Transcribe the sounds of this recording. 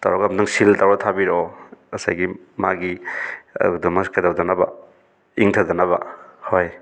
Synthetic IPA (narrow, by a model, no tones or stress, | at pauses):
tawɾɔkamdaŋsiltawɾatʰabiɾɔɐsa̰jɡi | ma̰ɡiɐ̰dɔmɐskadawdanaba̰ | iŋtʰadanaβa̰hoj